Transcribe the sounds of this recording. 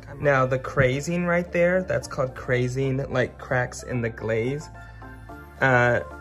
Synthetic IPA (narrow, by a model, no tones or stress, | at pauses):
naʊðɨkʰɹ̥eɪzɪ̃ŋɹaɪt̪̚ðə˞ðæ̰tskʰɔlˠd̚kʰɹ̥eɪzɪ̃ŋlaɪkʰɹ̥æksɪ̰̃nðɨɡleɪz̥ | ʌ